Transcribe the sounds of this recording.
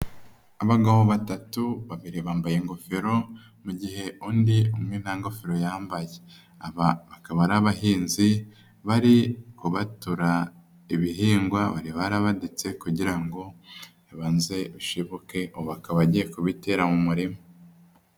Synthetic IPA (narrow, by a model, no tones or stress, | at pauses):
aβaɡaβoβatatuβaβiɾiβaːmbajeŋɡo̞feɾo̞ | muɟihe̞ʔuːndiumŋe̞naŋɡo̞feɾo̞jaːmbaje | aβaβakaβaɾaβaɦiːnzi | βaɾikuβatuɾa | iβiɦiːŋɡwaβaɾiβaɾaβadit͡se̞kuɟiɾaŋɡo̞ | βanze̞uʃiβuke̞ʔoβakaβaɟije̞kuβite̞ːɾamumuɾimo